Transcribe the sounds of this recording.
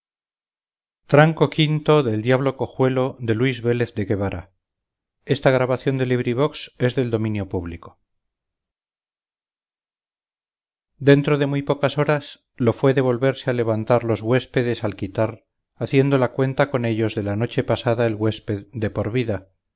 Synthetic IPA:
t̪ɾaŋko̞kint̪o̞ðe̞ld̪jaβ̞lo̞ko̞xwe̞lo̞ðe̞lwizβe̞le̞θd̪e̞ɣe̞βaɾʔa̰ | e̞st̪aɣ̞ɾaβaθjo̞nd̪e̞liβ̞ɾiβokse̞zðe̞ld̪o̞mĩnjopuβliko̞̥ | d̪e̞nt̪ɾo̞ðe̞mujpo̞kaso̞ɾas | lo̞fwe̞ðe̞β̞o̞lβe̞ɾseale̞β̞ant̪aɾlo̞zɣwe̞spe̞ðe̞salkit̪aɾ | aθje̞nd̪o̞lakwe̞nt̪ako̞ne̞ʎo̞zðe̞lano̞t͡ʃe̞pasaðae̞lɣwe̞spe̞ðd̪e̞po̞ɾβiða

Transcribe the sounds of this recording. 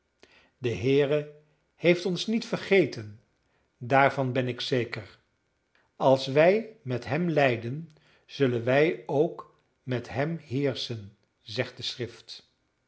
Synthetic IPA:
dəɦɪːrə | hejftɔnsnitfəɹχejtən | daːɹvɑnbɛnɪksejkəɹ | ɑlˠsʋɛjmɛtɦɛmlɛjdən | z̥ɵlənʋɛjowk | mɛtɦɛmɦɪːɹsən | zɛχt̚d̥əsrɪft

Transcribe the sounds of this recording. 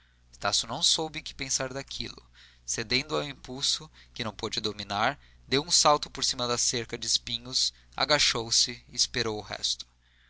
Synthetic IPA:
ɪst̪asjunɐ̃w̃sowbɪkɪ̥pẽsaɾd̪akʰḭlʊ̰ | sed̪ẽnd̪ʊawĩpuwsʊkɪnɐ̃w̃pod͡ʒɪd̪ominaɾ | d̪ewũsawt̪ʊpoɾsimɐd̪ɐseɾkɐd͡ʒɪːspĩɲʊs | a̰ɡaʃowsɪiːspeɾowʊɦɛ̰st̪ʊ̥

